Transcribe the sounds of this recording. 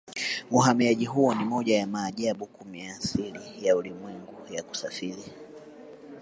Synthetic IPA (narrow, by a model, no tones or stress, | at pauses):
uɦamiaʄiɦuɔnimɔʄajamaːʄaɓukumiaːsilijaulimwɛŋɡujaku̥safili